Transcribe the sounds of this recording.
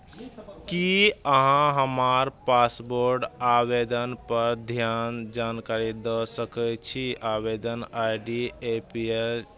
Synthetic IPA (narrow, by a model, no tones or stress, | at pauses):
kiəɦãɦəmaɾpasboɾɖabed̪ənpəɾd̪ʱjand͡ʒankaɾid̪əsəkət͡ʃʰiabed̪ənajɖiepiel